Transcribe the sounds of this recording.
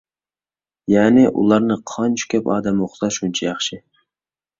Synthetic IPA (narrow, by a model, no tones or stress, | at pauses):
jæːnɪʔṵlˠɑɾnɨqʰɑnt͡ʃʰu̥kʲʰɛpɑ̰ːd̪ɛmoχzɑʃunt͡ʃʰɛjɑχʃɪ